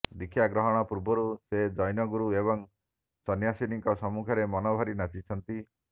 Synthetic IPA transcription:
d̪ikʰjaɡɾɔɦɔɽ̃ɔpuɾbɔɾused͡ʒɔjnɔɡuɾuebɔŋ | sɔnjasiniŋkɔsɔmukʰjɔɾemɔnɔbʱɔɾinat͡ʃʰit͡ʃʰɔnt̪i

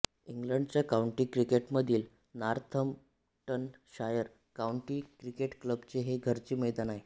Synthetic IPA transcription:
iŋɡləɳɖt͡ɕjakawuɳʈiːkɾikeʈməd̪ʱiːl | naɾt̪ʰəm | ʈənɕajəɾ | kawɳʈiːkɾikeʈkləbt͡seɦeɡʱəɾt͡ɕiːməjd̪anaɦe

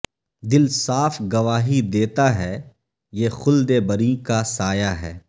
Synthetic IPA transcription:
d̪ɪlsaːfɡɐʋaːɦid̪eːt̪aɦɛ | jeːxʊld̪eːbɐɾĩkasaːjaɦɛː

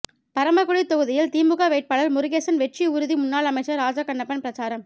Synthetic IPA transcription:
pɐɾɐmɐɣɯɭit̪ːɔɣɯðɪjɪlt̪iːmbɯɣaːʋeːʈ̚paːɭɐɾmʊɾɯɣeːsɐnʋɛʈt͡ʃiʊɾɯðimʊnːaːɭɐmɐɪʈt͡ʃːɐɾaːd͡ʒakɐɳːɐpːɐnpɪɾɐt͡ʃaːɾɐm

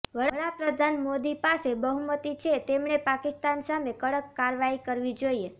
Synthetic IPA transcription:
ʋəɭɽapɾəd̪ʱanmod̪ipasebəɦumət̪it͡ʃʰet̪emɳepakɪst̪ansamekəɽəkːaɾʋaɦikəɾʋid͡ʒoie

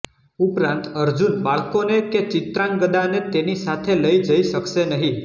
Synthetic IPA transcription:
upɾãnt̪əɾd͡ʒunbaɭkoneket͡ʃɪt̪ɾãŋɡəd̪anet̪enisat̪ʰeləid͡ʒəiʃəkʃenəɦĩ

